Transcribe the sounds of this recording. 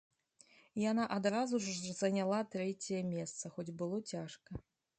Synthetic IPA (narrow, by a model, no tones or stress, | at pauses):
janaʔad̪ɾazuʐzɐnʲalˠat̪ɾɛt͡sʲɐjɐmʲɛst̪sɐxɔd͡zʲbɨlˠɔt͡sʲaʂkɐ